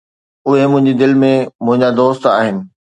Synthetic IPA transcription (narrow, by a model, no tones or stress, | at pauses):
ʊɦemʊ̃ɦɪ̃ɲd͡ʑid̪ɪlmẽmʊ̃ɦɪ̃ɲd͡ʑad̪oːst̪a̰ːɦɪnɪ̆